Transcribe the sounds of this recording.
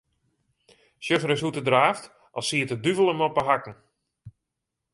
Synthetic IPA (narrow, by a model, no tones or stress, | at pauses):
sjøfəɾɪsutədraːft | ʔɔlˠsiətədyvəlˠəmɔpəɦakŋ̩